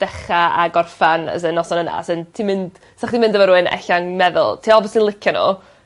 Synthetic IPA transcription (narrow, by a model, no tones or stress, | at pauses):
d̥ɛχaa̰ɡɔrfanə̰sənɔsɔnəna̰sɨntʰimɪnd̥ | saχd̥imɪndəvɔɾuɨnɛ̰ɬaŋmɛðʊ̰lˠtʰiːɔlˠbɔsənlˠɪkʰjano̰